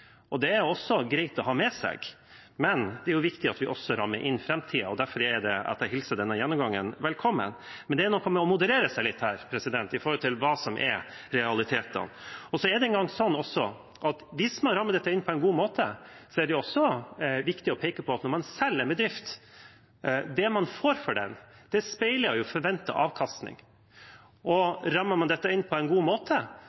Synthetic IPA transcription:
ʔɔd̪ɛæɾjʊɔsːɔɡɾæɪt̪ɔɦɑːmɛsɛ̰ɡ̥ | mɛnd̪ɛæɾjʊʋɪkt̪ɪɑt̪ʋɪʔɔsːɔɾɑmːəɾʔɪ̰nːfɾɛmt̪ʰiːəɔd̪æɾfɔɾɛɖ̪ɛɑ̰t̪æɦɪlsəɖ̪ɛnːəjɛnːʊmɡɑŋːənʋɛlkʰɔmːə̰nmɛnd̪ɛæɾnɔkʰːɔmːɛɔmʊd̪əɾeːɾəsæɪlɪt̪ːhæːɾpʰɾɛsɪd̪ɛnt̪ɪfɔːɾɔlt̪ʰɪlʋɑːsɔmʔɛ̰ɾ | ɾɛɑlɪt̪ʰeːt̪ə̰nɔsɔæɖ̪ɛɛnɡɑŋːsɔnːɔsɔ | ʔɑt̪ʋɪsmɑnɾɑmːəɖ̪ɛt̪ːəɪnːpʰɔɛnɡuːmoːt̪ʰəsɔæɖɛjʊɔsːɔʋɪkt̪ɪɔpʰeːkəpʰɔɑt̪nɔɾmɑnsɛlːɛnbɛd̪ɾɪft̪ | d̪ɛmɑnfoːɾfɔɖɛ̰nd̪̥ɛspɛæɪləjʊfɔɾʋɛnt̪ə̰ʔɑːʋkʰɑst̪nɪ̰ŋ | ɔɾɑmːəɾmɑnd̪ɛt̪ːəɪnːpʰɔɛnɡuːmoːt̪ʰə

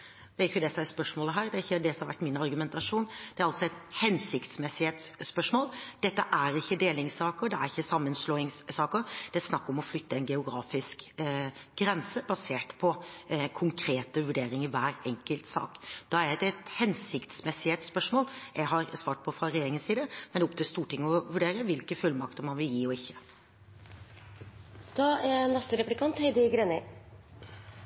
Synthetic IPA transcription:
d̪ɛæɾʏçːəd̪ɛsɔmæɾspœʂmoːləɦæːɾd̪ɛæɾçːəd̪ɛsɔmhɑɾʋæʈːmɪnɑɾɡʉmɛnt̪ɑʂuːnd̪ɛæɾɑlsɔɛt̪hɛnsɪkt̪smɛsːɪhet̪sːpœʂmoːld̪̥ɛt̪ːəʔæɾɪçːəd̪eːlɪŋsɑːkəɾd̪ɛæɾɪçːəsɑmːənsloːɪŋssɑːkəɾd̪̥ɛæɾsnɑkːɔmɔflʏt̪ːəɛnɡɛʊɡɾɑːfɪsk | ɡɾɛnsəbɑseːʈpʰɔkʰʊŋkʰɾeːt̪əʋʉɖeːɾɪŋəɾʋæːɾɛŋkəlt̪sɑ̰ːkd̪̥ɑæɾd̪ɛɛt̪hɛnsɪkt̪smɛsːɪɛt̪spœʂmoːljæɡɦɑɾsʋɑːʈ̚pʰɔfɾɑɾɛjeːɾɪŋənsiːd̪əmɛnd̪ɛɔp̚t̪ʰɪlst̪uːʈɪŋːəɔʋʉɖeːɾəʋɪlkəfʉlmɑkt̪əmɑnʋɪljiːɔɪçːə̥ | d̪̥ɑːænɛst̪əɾɛplɪkʰɑnt̪hɛɪd̪ɪɡɾɛnə

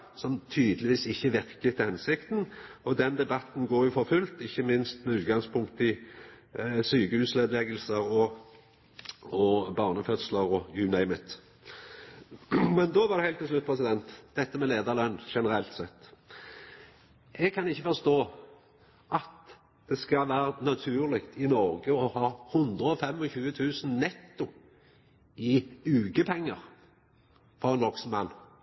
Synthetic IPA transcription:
sɔmt̪ʰyːd̪əlɪʋiːsɪçːəʋɪɾkət̪ʰɪlhɛnsɪkt̪nɔd̪ɛnd̪ɛbɑt̪n̩ɡoːɾjʊfɔɾfʉlt̪ɪçːəmɪnst̪mɛʉːt̪ɡɑŋspʰʊŋkt̪ɪ | syːkəhʉːsleːd̪lɛɡəlsəɾɔ | ɔbɑːʁnəfœt̪sləɾɔjʉnɛɪmət̪ | mɛnd̪ɔːʋɑɾd̪ɛhæɪlt̪ʰːɪlslʉt̪̚ːpʰʁɛs̬ɪd̪ɛnt̪d̪̥ɛt̪ːəmɛleːd̪ɑʁlœnːʃɛnəɾɛlt̪sɛt̪ː | ʔɛɡ̚kʰɑnɪçːəfɔɾst̪oː | ʔɑt̪ | d̪̥ɛskɑʋæːɾənɑt̪ʰʉːʁlɪkt̪ʰɪnɔɾɡəɔhɑːhʊnd̪ɾəɔfɛmɔçʉːət̪ʰʉːsn̩nɛt̪ːʊ | ɪʉːkəpʰɛŋːəɾ | fɔʁɛnɔksnmɑnː

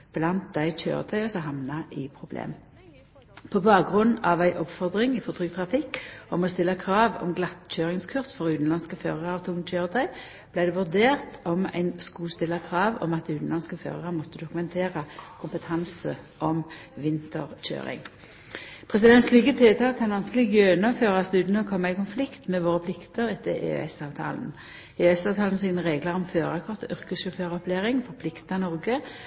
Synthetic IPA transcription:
b̥lɑnt̪̚d̪æɪc͡çø̰ːʁə̰t̪ʰœʏɔsɔɦɑmnɑʔɪpʰʁʊblḛːm | pʰɔbɑːk̚ɡʁʉnːɑʋæɪʔɔpfɔʁd̪ʁɪŋɪfɔʁd̪ʁyːt̪ʰʁɑfɪkːɔmɔst̪ɪlːəkʰʁɑːʋɔ̰mɡlɑt̪c͡çøːʁɪŋskʰʉʁsfɔʁʉːt̪n̩lɑnskəføːʁəʁɑʋt̪ʰʊŋc͡çøːʁət̪ʰœʏ | blæɪd̪ɛʋʉʁd̪eːʁt̪ʰɔmæ̰ɪnskuːst̪ɪlːəkʰʁɑːʋɔ̰mɑt̪̚d̪iʉːt̪n̩ɑnskəfø̰ːʁəʁəmɔt̪ːəd̪ʊkʉmɛnt̪ʰeːʁəkʰʊmpət̪ʰɑnsəʔɔm | ʋɪnt̪ʰə̰ʁc͡çø̰ːʁɪ̰ŋ | pʰʁɛs̬ɪd̪ɛnt̪sliːkət̪ʰɪlt̪ʰɑːkʰːɑnʋɑnskəlɪɡøːnɔføːʁɑsd̪ʉːt̪nɔkʰɔmːɑɪkʊnflɪkt̪mɛʋoːʁəpʰlɪkt̪əɾɛt̪ːəḛø̰ɛsɑːʋt̪ʰɑ̰ːln̩ | eːœɛsɑːʋt̪ʰɑːln̩siːnəʁeːɡləʁɔmføːʁɑkʰɔʁt̪əʔʏʁkəsʃʊføːʁəɔpʰleːʁɪŋfɔʁpʰlɪkt̪ɑnɔʁɡə

